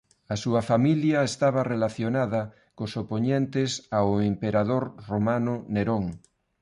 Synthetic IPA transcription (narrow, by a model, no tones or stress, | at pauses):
ɐsuɐfamiljaest̪aβ̞ɐrelaθjonaðɐ | kosopoɲent̪esaoempeɾaðoɾromanʊneɾoŋ